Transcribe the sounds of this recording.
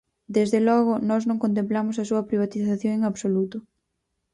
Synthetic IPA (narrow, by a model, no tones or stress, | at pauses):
d̪ezðelɔɣ̞ʊnɔznõŋkont̪ẽmplamʊsɐsuɐpɾiβ̞at̪iθaθjoŋeŋaβsolut̪ʊ